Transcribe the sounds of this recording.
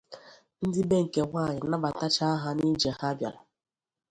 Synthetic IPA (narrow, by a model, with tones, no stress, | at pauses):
n̩˦dɪ˦be˦ŋ̩˨ke˨ŋʷa˦˨ɲɪ˨na˦ba˨ta˦t͡ʃa˦ɦa˦ni˦d͡ʒe˨ha˦bja̰˨la˨